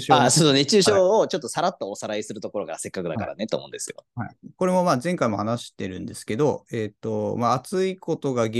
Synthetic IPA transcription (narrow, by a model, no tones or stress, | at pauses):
ɕasoːnet͡ɕɨːɕoːt͡ɕo̞t̪ːo̞saɾat̪ːaosaɾaisɨɾɯ̟t̪o̞ko̞ɾo̞kaɾase̞kːakɯd̪aka̰ɾa̰net̪o̰ːmo̞ɯ̰̃nd̪e̞sɨjo̰haiko̞ɾe̞mo̞maːzẽ̞ŋkaimo̞hanaɕi̥t̪e̞ɾɯ̟̃nd̪e̞sɨ̥ke̞d̪o̞eːt̪ːo̞maːt͡sɨiko̞t̪o̞ɡaɡ